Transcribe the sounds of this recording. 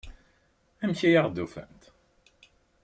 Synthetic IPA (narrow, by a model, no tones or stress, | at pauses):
æmçijaʁd̪ufæ̰nt̪